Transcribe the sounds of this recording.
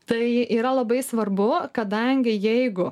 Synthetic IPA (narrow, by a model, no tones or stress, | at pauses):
t̪ɐɪiːɾɐlˠɐbɐɪsʋɐɾbʊkɐd̪ɐŋʲɡʲɪjɛɪɡʊ